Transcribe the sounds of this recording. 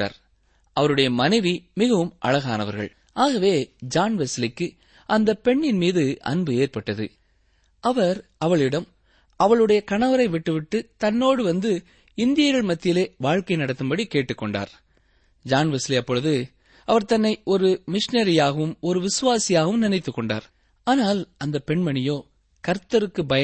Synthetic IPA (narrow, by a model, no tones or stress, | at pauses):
a̰ːɾ | ʔɐʋɐɾɯɽɐjɐmɐnɐɪʋimɪɣɐʋɯmʔɐ̰ɭɐɣa̰ːnɐʋɐ̰ɾɣɐ̰ɭ | aːɣɐʋeːd͡ʒaːnʋɛslɪkːɯ | ʔɐnd̪ɐpɛɳːɪnmiːðɯʔɐ̰nbɯeːɾpɐʈːɐðɯ̰ | ʔɐʋɐɾɐʋɐɭɪɽɐm | ɐʋɐɭɯɽɐjɐkɐɳɐʋɐɾɐɪʋɪʈːɯʋɪʈːɯt̪ɐnːoːɽɯʋɐnd̪ɯ | ɪnd̪ɪjɐɣɐɭmɐt̪ːɪjɪleːʋaːɻkɐɪnɐɽɐt̪ːɯmbɐɽikeːʈːɯkːɔɳɖa̰ːɾ | d͡ʒaːnʋɛsliɐpːɔɻɯðɯ | ɐʋɐɾt̪ɐnːɐɪʔɔɾɯmɪʂnɐɾɪjaːɣɐʋɯmɔɾɯʋɪsɯʋaːsɪjaːɣɐʋɯmnɪnɐɪt̪ːɯkːɔɳɖa̰ːɾ | aːnaːlɐnd̪ɐpːɛɳmɐɳɪjoː | kɐɾt̪ːɐɾɯkːɯbɐjɐ